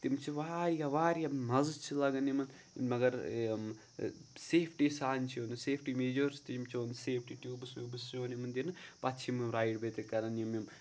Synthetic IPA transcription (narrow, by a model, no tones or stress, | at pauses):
t̪imt͡ʃʰiʋaːɾjaʋaːɾijamɐzt͡ʃʰilɐɡɐnimɐn | mɐɡɐɾ | seːpʰʈiːsaːnʲt͡ʃʰijoːnɨseːpʰʈiːmeːd͡ʒoɾst̪imt͡ʃʰoːnd̪ɨseːpʰʈiːʈjuːbsuːbɨst͡ʃoːnimɨnd̪inɨpɐtt͡ʃʰimɨɾaːjɖbet̪ekɐɾɐnjimjim